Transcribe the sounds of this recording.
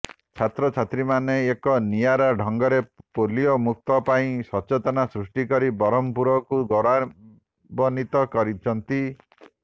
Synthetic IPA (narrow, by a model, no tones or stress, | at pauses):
t͡ʃʰat̪ɾɔt͡ʃʰat̪ɾimaneːkɔnijaɾaɖʱɔŋɡɔɾepoliɔmuk̚t̪ɔpaĩsɔt͡ʃet̪ɔnasɾusʈikɔɾibɔɾɔmpuɾɔkuɡɔɾa | bɔnit̪ɔkɔɾit͡ʃʰɔnt̪i